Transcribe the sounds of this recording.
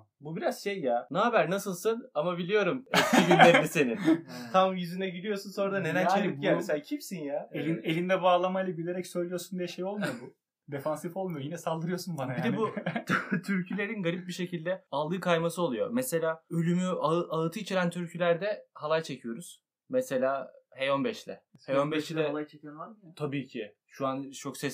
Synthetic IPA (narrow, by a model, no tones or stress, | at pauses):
bubiɾaz̥ʃejːanaɦabæɾnasɯlˠsɯnamabilʲijo̞ɾumcʰːibilːʲeɾmise̞nint̪ʰamjyzynɛɟilʲijo̞sunso̞nɾad̪aned̪ænt͡ʃelʲip̚ɟælʲmeselʲaːcʰimsinjaeinelʲind̪ɛbaːlˠamajlˠabilʲe̞ɾɛcsø̞jlʲijoɾsund̪ijɛʃejo̞lˠmujobu | d̪efansifo̞lˠmujojinɛsalˠd̪ɯɾɯjosunbanabjid̪ɛbu | t̪ʰyɾcʰylʲe̞ɾinɡaɾip̚biʃecʰilʲd̪ɛalˠd̪ɯːkʰajmasɯo̞lˠujo̞̰mɛse̞lʲaːølʲymyaɯʔaɯt̪ʰɯit͡ʃʰeɾænt̪ʰyɾcʰylʲæɾd̪ɛhalˠajt͡ʃʰe̞cʰijo̞ɾuz̥ | mɛse̞lʲaːhejo̞nbɛʃlʲɛ̰hejonbɛʃlʲɛlˠajt͡ʃʰecioaɾt̪ʰabiːcʰɪ | ʃuant͡ʃʰo̞ksɛs